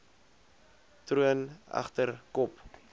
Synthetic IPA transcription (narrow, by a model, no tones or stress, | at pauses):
truənɐ̰χtərkɔp